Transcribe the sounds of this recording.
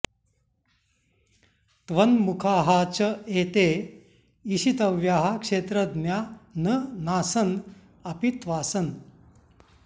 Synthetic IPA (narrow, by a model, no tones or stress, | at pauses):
t̪ʋənmukʰaːɦat͡ɕəet̪e | iɕit̪əʋjaɦakʂet̪ɾəd̪mjanənaːsən | ɐpit̪ʋaːsən